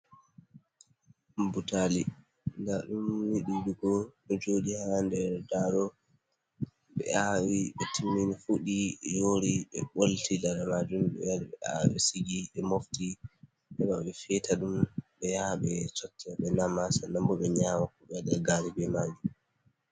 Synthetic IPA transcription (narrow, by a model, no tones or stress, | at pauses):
butali | ndaɗumwiɗiɗuɡɔɗɔd͡ʒoːɗihandɛɾdaɾɔ | ɓɛ̰awiɓɛtimːinifuɗijoɾiɛ̰ɓoltilaɗamad͡ʒumɓɛ̰jaɾɓɛ̰a̰wɛsiɡiʔɛmofti | ɛɓaɓɛfɛtaɗumɓɛjaɓɛsotːiaɓɛnamasanambɔɓɛɲaːmakɔɓɛɗɛɡaːɾibɛmaːd͡ʒi